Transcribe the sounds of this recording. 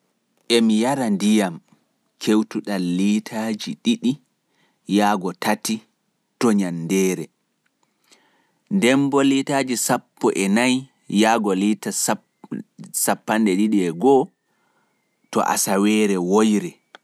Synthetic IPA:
ʔɛmijaɾandijam | kʰewtuɗalːitʰaːd͡ʒiɗiɗi | jaːɡɔtati | tɔɲandɛːɾɛ | ndɛmbɔlitaːd͡ʒisapːɔʔɛnaj | jaːɡɔlita | sapːandɛɗiɗiɛɡɔ | tɔ̰ʔa̰sawɛːɾɛwojɾɛ

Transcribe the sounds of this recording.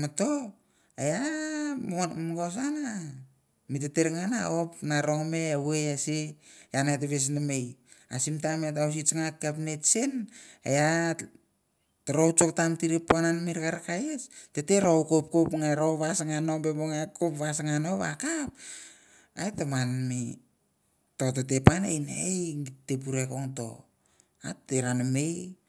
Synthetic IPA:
mato | aja | mɡos̬ana | miteteɾŋana̰opnaɾo̞ŋme̞aweasijanat̬eβes̬namej | asimtamet̬aws̬it͡ʃŋakːapnetsena̰ja | tɾowt͡ʃok̚tamtiɾipːananmiɾkaɾakajesteteɾowkop̚kopŋaɾoβasaŋano̞mbeboŋakopβasŋanoβa̰kap̚ | aetamanmi | totetepanḛjnejtep̬uɾekoŋto̞̰ | a̰tːeɾanamej

